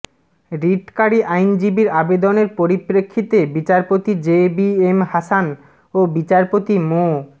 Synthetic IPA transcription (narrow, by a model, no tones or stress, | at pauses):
ɾiʈkaɾiʔajnd͡ʑibiɾabed̪oneɾpoɾipɾekʰːit̪ebit͡ɕaɾpot̪id͡ʑebiemɦasan | obit͡ɕaɾpot̪imo